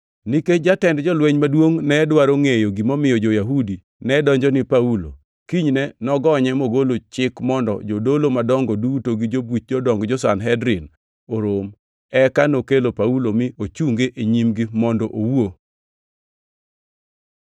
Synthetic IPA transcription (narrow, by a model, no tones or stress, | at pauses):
niked͡ʒatɛndd͡ʒɔlweɲmadwoŋnɛdwaɾoŋejoɡimɔmɪjɔd͡ʒojaɦudi | nɛdɔɲd͡ʒɔnipaulo̰ | kiɲnɛnɔɡɔɲɛmoɡolot͡ʃɪkmɔndɔ̰d͡ʒodolomadɔŋɡɔdutoɡid͡ʒobut͡ʃ̚d͡ʒɔdɔŋɡd͡ʒɔsanɦɛdɾɪn | oɾom | ɛkanokelopaulomɪot͡ʃuŋɡeʔeɲimɡimɔndɔʔowo